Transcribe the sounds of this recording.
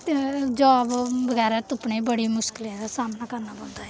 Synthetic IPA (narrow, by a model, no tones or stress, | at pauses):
ed͡ʒaːbʋəɡɛːɾɛt̪ʊpɳeːbəɽiːmʊʃkɪlɛ̃d̪asaːmnaːkəɾnaːbə̃ːnd̪aːɛː